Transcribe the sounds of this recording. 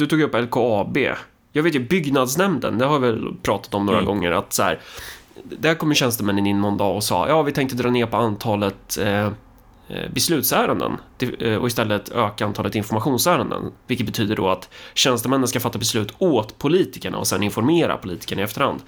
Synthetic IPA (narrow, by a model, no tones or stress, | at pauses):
d̪̥ɵt̪uːɡjɪɵpːɛlkʰoɑbḛː | jɑːɡveːt̪jɵbʏɡnad̪snɛmnd̪ə̰nd̪ɛhaɾvɪvɛlpʰɾɑːt̪ḁt̪ɔmnoːɾaɡɔŋːəɾa̰t̪sæ̰ːɾ | d̪æɾkʰɔmːəɕɛnst̪əmɛnːənɪnːɔnd̪ɑːɔsɑ̰ːjʔɑːvɪt̪ʰɛŋkt̪əd̪ɾɑːneːɾpɔant̪ʰɑːlət̪ | bɛslʉ̟ːt̪sæːɾənd̪ə̰nt̪ɪɔ̰ɪst̪ɛlːət̪øːkaant̪ʰɑːlət̪ɪnfɔɾmaɧuːnsæːɾənd̪ə̰nvɪlkːət̪bɛt̪ʰyːd̪əɖɔ̰at̪ɕɛnst̪əmɛnːənskafat̪ːabɛslʉ̟ːt̪oːt̪pʰʊliːt̪ɪkəɳa̰ɔ̰sɛnɪnfɔɾmeːɾa̰pʰʊliːt̪ɪ̥kəɳaɪɛft̪əɾha̰nd̪